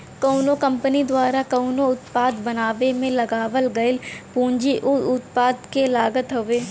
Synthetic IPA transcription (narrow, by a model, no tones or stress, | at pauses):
kɐːnokɐ̃mpənid̪waːɾakɐːnoʊt̪paːd̪bɐnaːʋemẽlɐɡaːʋəlɡɐɪlpũːɲd͡ʒiʔʊʊt̪paːd̪kelaːɡət̪ɦoʋeː